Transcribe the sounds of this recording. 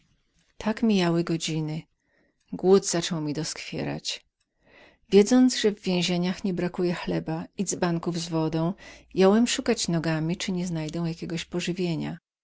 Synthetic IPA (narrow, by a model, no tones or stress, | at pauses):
t̪ʰakmʲijawɘɡɔd͡ʑinɘ | ɡwud̪z̥at͡ʂɔwmʲid̪ɔskfʲjɛ̰ɾa̰t͡ɕ | vʲjɛd̪zɔnd̪zʐɛvːʲjẽw̃ʑeɲaxɲɛbɾakujɛxlɛbaizbaŋkuvzvɔd̪ɔ̃w̃jɔwɛmʂukat͡ɕnɔɡamʲit͡ʂɘɲɛznajd̪ɛ̃w̃jakʲɛɡɔɕpɔʐɘvʲjeɲa̰